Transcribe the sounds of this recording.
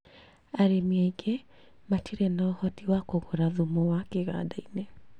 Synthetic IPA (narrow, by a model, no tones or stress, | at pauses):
aɾemiaiɡe | matiɾɛnaɔhɔtiwakoɣoɾaðumowakeɣa̰dainɛ